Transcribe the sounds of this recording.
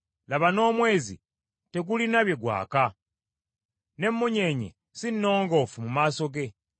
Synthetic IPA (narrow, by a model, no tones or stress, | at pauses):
laβano̞ːmwe̞ːzḭ | te̞ɡulinaβje̞ɡwa̰ːka | ne̞mːuɲe̞ːɲḛ | sinːo̞ːŋɡo̞fumumaːso̞ɡe̞